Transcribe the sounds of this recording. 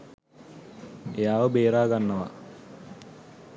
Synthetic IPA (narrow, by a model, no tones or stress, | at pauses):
jaːʋɐbeːɾaːɡɐnːɐʋɐ̰